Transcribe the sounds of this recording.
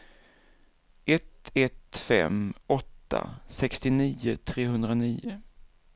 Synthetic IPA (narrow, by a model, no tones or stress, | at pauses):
ʔɛt̪ɛt̪fɛ̰mɔt̪ːa̰sɛkst̪ɪniːʊt̪ʰɾeːɦɵnd̪ɾaniːʊ